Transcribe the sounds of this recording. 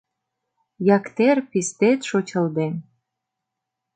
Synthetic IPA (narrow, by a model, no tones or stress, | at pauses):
jɑkt̪erpist̪et̪ʃot͡ɕə̆ld̪en